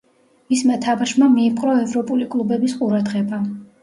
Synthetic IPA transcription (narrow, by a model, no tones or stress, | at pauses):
mismat̪ʰabaʃmamiːpʼqʼɾɔɛvɾɔpʼulikʼlˠubɛbisqʼuɾad̪ʁɛba